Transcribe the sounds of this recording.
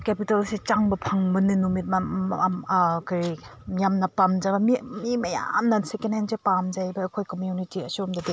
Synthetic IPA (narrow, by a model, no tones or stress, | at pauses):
kepitalset͡ʃaŋbɐpʰaŋbɐninumit̚mɐ | kaɾi | mjamnɐpamd͡ʒabɐmimimɐja̰mnɐnsekenenzepamd͡ʒajbɐːkʰojkomjunitiɐ̰suɔmdɐde